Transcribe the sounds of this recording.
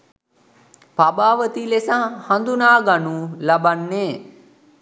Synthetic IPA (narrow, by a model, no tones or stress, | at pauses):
pabaːʋət̪ilesaːhand̪unaːɡanuːlabanːeː